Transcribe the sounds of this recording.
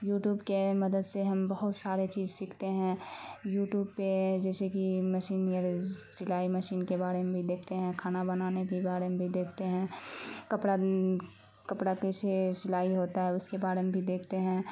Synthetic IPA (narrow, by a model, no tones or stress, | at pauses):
juːʈjuːbkemɐd̪əd̪seɦɐmbəɦʊt̪saːɾet͡ʃiːzʃikʰt̪eɦɛ̃juːʈjuːbped͡ʒɛːsekiməʃiːnjaɾt͡ʃɪlaːiməʃiːnkebaːɾeɦmẽbʱid̪eːkʰt̪eɦɛ̃kʰaːnabɐnaːnekebaːɾeɦmebʱid̪eːkʰt̪eɦɛ̃ːkɐpɽa | kɐpɽakeset͡ʃɪlaːiɦoːt̪aɦɛʊskebaːɾemebʱid̪eːkʰt̪eɦɛ̃ː